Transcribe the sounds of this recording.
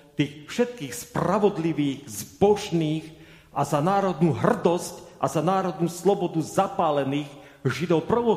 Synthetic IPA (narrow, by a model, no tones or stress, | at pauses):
t̪iːxfʃɛt̪̚kiːxspɾaʋɔd̪liʋiːɣzbɔʃniːɣ | ʔazanaːɾɔd̪nuːɦr̩d̪ɔscʔazanaːɾɔd̪nuːslɔbɔd̪uzapaːlɛniːɣ | ʒid̪ɔʊprɔʋɔ